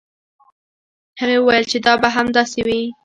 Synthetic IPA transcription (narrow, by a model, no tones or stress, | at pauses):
həɣewəwajəlt͡ʃed̪ɑbaɦamd̪ɑsewi